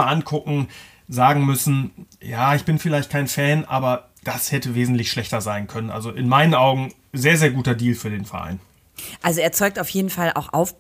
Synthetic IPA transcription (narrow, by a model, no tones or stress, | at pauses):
aʔankʰʊkŋ̩ | zaːɡŋ̩mʏsn̩jaːɪçb̥ɪnfɪlaɪçt̚kʰaɪnfɛːnʔa̰ːbɐ | d̥ashɛtəveːzn̩tlɪçʃlɛçtɐzaɪnkʰœnənʔa̰lzoʔɪnmaɪnənʔaʊɡŋ̩ | zeːɐzeːɐɡuːtɐdiːlfyːɐdeːnfɛɐʔa̰ɪn | ʔalzoeːɐt͡sɔʏk̚taʊfjeːdn̩falʔa̰ʊxʔa̰ʊf